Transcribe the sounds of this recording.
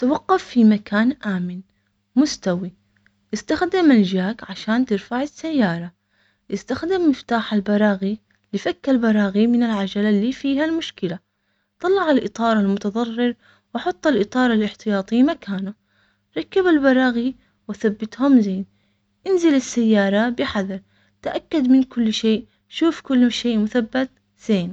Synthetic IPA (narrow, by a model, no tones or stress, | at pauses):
t̪awɑqːɑfːimakaːnʔaːmɪn | mʊst̪awi | ʔɪst̪axd̪ɪmald͡ʒaːkʕaʃaːnt̪ɪɾfaʕɪsːajːɑːɾˤɑ | ʔɪst̪axd̪ɪmːɪft̪aːħalbɑɾˤɑːɣi | lɪfakːalbɑɾˤɑːɣimɪnɪlʕad͡ʒalalːiːfiːɦalmʊʃkɪla | t̪ˤɑlːɑʕalʔɨt̪ˤɑːɾˤalmʊt̪ɑðˤɑrˤːɪɾ | wɑħɑt̪ˤːɑlʔɨt̪ˤɑːɾˤalʔɪħt̪ɪjɑːt̪ˤiːmakaːnu | ɾˤɑkːabalbɑɾˤɑːɣi | wɪθabːɪt̪hʊmzeːn | ʔɪnzɪlɪsːajːɑːɾˤɑbɪħaðɑɾˤ | t̪aʔakːad̪mɪnkʊlːʃeːʔ | ʃuːfkʊlːʃeːʔmʊθabːat̪ | z̥eːn